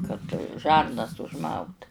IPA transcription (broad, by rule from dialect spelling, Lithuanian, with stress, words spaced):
kɐt ˈʒɐrnɐs ʊʒˈmɐʊt